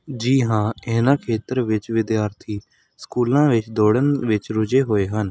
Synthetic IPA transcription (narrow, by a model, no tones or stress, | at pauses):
d͡ʒiːɦãːeːnãːkʰeːt̪əɾʋɪt͡ʃʋɪd̪jaːɾt̪ʰiː | skuːlãːʋɪt͡ʃd̪oːɽənʋɪt͡ʃɾʊd͡ʒeːɦoːeːɦən